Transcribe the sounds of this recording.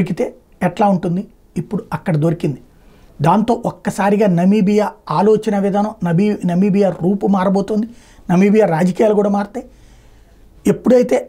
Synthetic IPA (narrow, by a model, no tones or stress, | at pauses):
ɾik̬it̪e̞ː | ɛʈlaːuɳʈund̪i | ipːuɽuɐkːɐɽɐd̪oɾikind̪i | d̪aːnt̪o̞ːʔɔkːɐsaːɾiɡaːnɐmiːbijaːaːlo̞ːt͡ʃɐnɐʋid̪ʱaːnɐmnɐbinɐmiːbijaːɾuːpumaːɾɐboːt̪und̪inɐmiːbijaːɾaːd͡ʒɐkiːjaːlukuːɽaːmaːɾt̪eː | epːuɽuɐjit̪e̞ː